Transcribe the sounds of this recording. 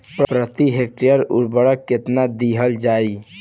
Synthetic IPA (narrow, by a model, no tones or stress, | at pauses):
ppɾət̪iɦek̚ʈijəɾṵɾbəɽəkːet̪nad̪iɦəld͡ʒai